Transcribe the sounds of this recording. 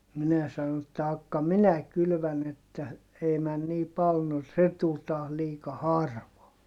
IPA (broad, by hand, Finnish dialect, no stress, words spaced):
minæ sɑno etːæ ɑkːɑ minæ kylʋæn etːæ ei mæn niː pɑl no se tul tɑːh liːkɑ hɑrʋɑː